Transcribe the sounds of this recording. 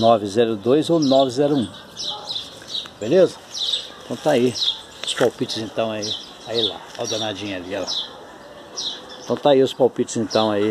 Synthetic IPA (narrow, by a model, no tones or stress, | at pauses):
nɔvɪzɛɾʊd̪ojzownɔvɪzɛɾʊũ | belezɐẽt̪ɐ̃w̃t̪ai | ʊspawpit͡ʃɪzẽnt̪ɐ̃w̃ai | aila̰ɔd̪ɐnad͡ʒĩɲaliɐla | ẽt̪ɐ̃w̃t̪aiʊspawpit͡ʃʊzẽnt̪ɐ̃w̃ai